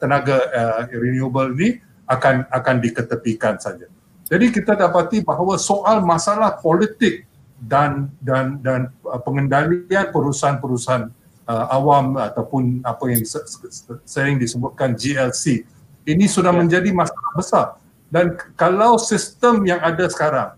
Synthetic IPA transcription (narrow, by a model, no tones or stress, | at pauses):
t̪ənaɡaəɾiniobəlini | akanakandikət̪əp̪ikansad͡ʒa | d͡ʒadikit̪adapat̪ibaɦawasoʔalmasalahpolit̪ɪk̚ | dandandanəpəŋəndalianpəɾusaɦanpəɾusaɦan | əawamat̪awpʊnapajaŋsəsəɾɪŋdisəbʊt̪̚kand͡ʒiɛlsi | inisudahmə̃ɲd͡ʒadimasalahbəsar | dankalawsist̪əmjaŋadasə̥kaɾaŋ